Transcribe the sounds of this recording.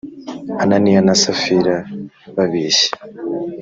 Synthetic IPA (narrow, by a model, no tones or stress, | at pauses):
ananijanasafiɾa | βaβiːɕe̥